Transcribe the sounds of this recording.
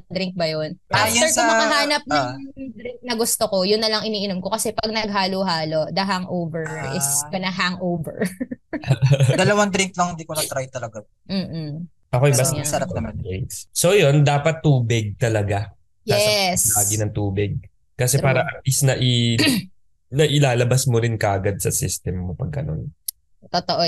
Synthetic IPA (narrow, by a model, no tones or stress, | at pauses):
d̪ɾɪŋk̚bɐjonʔajɛɹɐmɐŋɐɦaːnɐp̚nɐʊŋd̪ɾɪŋk̚nɐɡʊst̪okojʊnːɐlɐŋɪniːʔɪnomkokɐsɛpɐɡ̚nɐɡ̚ɦaːloɦaːlo̞ʔd̪ɐɦaŋʔowvɛɹʔɪskɐnɐɦaŋʔowvɛ̰ɹ | d̪ɐlɐwɐnd̪ɾɪŋk̚lɐŋhɪnd̪iːkonɐɡ̚t̪ɾajt̪ɐlɐɡa | m̩ː | ʔɐkojɪbɐssɐɾaɐmɐd̪ɾɪŋkssojo̞nd̪aːpɐt̪ːuːbɪɡ̚t̪ɐlɐɡa | njaslaːɡɪnɐŋt̪uːbɪɡ̚ | kɐsɛpaːɾɐʔɐmlisnɐʔɪ | nɐʔɪlaːlɐbɐsmoɾɪnkɐʔɐɡad̪̚sɐsɪst̪ɛmːopɐɡ̚kɐ̰no̰n | t̪ot̪oʔo